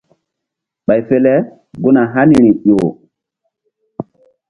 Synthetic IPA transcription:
ɓa˨jfe˨lɛ˦ | ɡu˦na˨ɦa˦ni˨ɾi˨o˨

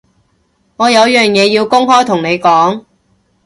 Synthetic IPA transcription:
ŋɔː˨˧jɐ˨˧wjœː˨ŋjɛː˨˧jiː˧wkʊ˥ŋɦɔː˥jt̪ʰʊ˨˩ŋne˨˧jkɔː˨˥ŋ

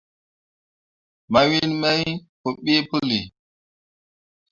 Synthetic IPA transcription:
ma˨wi˦nmɛ˦jko˨ɓi˦pu˦li˨

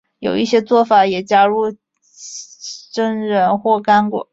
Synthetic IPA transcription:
jo˨˩ʊi˥˩ɕjɛ˥t͡swɔ˥˩fa˨˩˦jɛ˨˩t͡ɕja˥ɻu˥˩ | ʈ͡ʂə˥nɻə˧˥nxwɔ˥˩ka˥nkwɔ̰˨˩˦

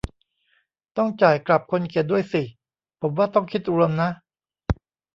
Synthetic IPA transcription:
t̪ɔ˥˩ŋt͡ɕaː˨˩jkla˨˩p̚kʰo˧nkʰe˨˩t̪̚du˥˩əjsi˨˩ | pʰo˩˦mwaː˥˩t̪ɔ˥˩ŋkʰi˦˥t̪̚ʔu˧ɾo˧mna˦˥ʔ

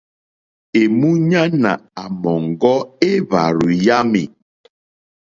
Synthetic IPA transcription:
e˨mu˦ɲa˦na̰˨a˨mɔ˨ŋ˨ɡɔ˦e˦βa̰˨ɾu˨ja˦mḛ˨

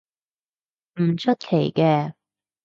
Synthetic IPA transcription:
m̩˨˩t͡ʃʰɵ˥t̪̚kʰe˨˩jkɛː˧

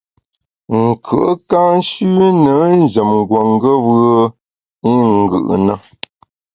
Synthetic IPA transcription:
ŋ̩˨kʰə̰˨ʔə˦ka˦n̩˦ʃʉː˦nə˨˦n̩˦˨d͡ʒə˨mŋ˨ɡwo˨ŋ˦ɡə˦wə˦ | i˦ŋ˨ɡɯ̰˨ʔnə˨

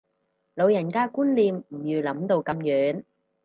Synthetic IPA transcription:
lo˨˧wjɐ˨˩nkaː˥kuː˥nliː˧mm̩˨˩jyː˨˧lɐ˨˥mt̪o˧wkɐ˨˧mjœː˨˥ŋ

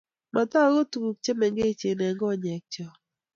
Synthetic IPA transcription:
ma˨t̪a˦ɡo˦tu˨ku˨k̚t͡ʃe˦mɛ˨ŋɡe˦t͡ʃe˨nɛ˨ŋɡɔ˦ɲɛ˨k̚t͡ʃɔ˦˨

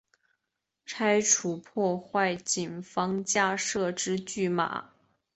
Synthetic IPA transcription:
ʈ͡ʂʰa˥ɪʈ͡ʂʰu˨˩pʰwɔ˥˧xwa˥˩ɪt͡ɕi˨˩nfɑ˥ŋt͡ɕja˥˧ʂɤ˥˧ʈ͡ʂɻ̩˥t͡ɕy˥˩ma̰˨˩˦

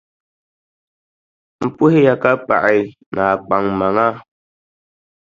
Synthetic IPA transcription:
m̩˦˨pu˦he˦ja˨ka˦pa̰˨ʔɛ˨˦ | na˨k͡pa˨ŋma˨ŋa˦

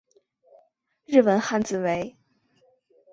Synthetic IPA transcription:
ɻɻ̩˥˩wə˧˥nxa˥˧nt͡sɹ̩˨˩we˧˥ɪ

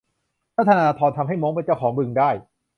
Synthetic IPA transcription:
pɾa˥˩t̪ʰːa˧naː˧t̪ʰɔː˧nt̪ʰa˧mɦa˥˩jmɔː˦˥ŋpe˧nt͡ɕa˥˩wkʰɔː˩˦ŋbɯ˧ŋdaː˥˩j

